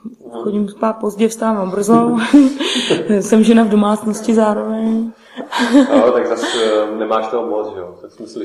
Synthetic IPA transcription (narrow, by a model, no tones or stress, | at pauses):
xoɟimspaːt̪̚po̞zɟɛfst̪aːmabr̩zo | sɛmʒɛnavdo̞maːt͡snoscɪzaːɾovɛɲ | t̪aɡzasnɛmaːʃt̪oɦomot͡sʒɛot̪aksmɪslɪ